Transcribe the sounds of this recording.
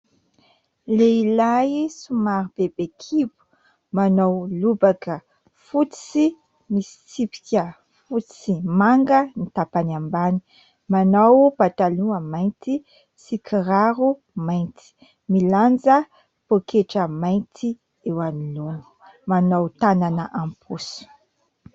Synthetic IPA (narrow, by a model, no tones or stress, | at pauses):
leilajsumaɾib̥ebekʰibu̥ | manawlubakə | fut͡st͡si | misi̥t͡sipi̥kʲə | fut͡st͡simaŋɡənit̪apanambani̥ | manawb̥at̪aluəmajnt̪i | sikʰiɾaɾu | majnt̪i̥ | miland͡zə | pokʰeʈ͡ʂəmajnt̪ʰi | ewanilonə̥ | manowt̪ananəʔampʰusu̥